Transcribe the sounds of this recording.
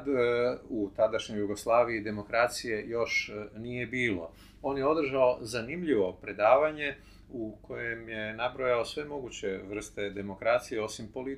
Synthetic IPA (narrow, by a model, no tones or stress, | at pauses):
d̪ut̪ad̪aʃɲo̞juɡo̞slˠaːʋiid̪e̞mo̞kɾat̪sije̞jo̞ʃnije̞biːlo̞̰ | o̞ːnjeo̞d̪r̩ʒaozanimʎiʋo̞pɾe̞d̪aːʋaɲe̞ | uko̞je̞mje̞nabɾo̞jaosʋe̞mo̞ɡut͡ɕe̞ʋr̩st̪e̞d̪e̞mo̞kɾat̪sije̞o̞simpo̞li